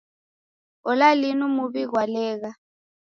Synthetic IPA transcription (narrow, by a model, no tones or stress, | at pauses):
ɔlalinumuβiɣwalɛːɣ̬a